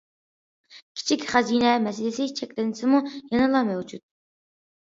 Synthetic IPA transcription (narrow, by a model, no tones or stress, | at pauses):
kʲʰi̥t͡ʃʰikʲχɑzinɛmɛsɪlɪsɪt͡ʃʰɛkʲlɪnɪsɪmujɑnɨlˠɑmɛwd͡ʒut̪̚